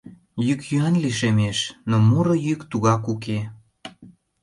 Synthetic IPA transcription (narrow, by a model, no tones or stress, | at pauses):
jykjyɑnliʃemeʃnomuɾojykt̪uɣɑkuke